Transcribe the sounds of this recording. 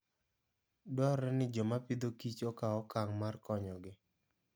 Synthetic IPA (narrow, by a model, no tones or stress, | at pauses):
dɔɾɛnɪd͡ʒɔmapid̪okit͡ʃɔkaɔkaŋmarkɔɲɔɡɪ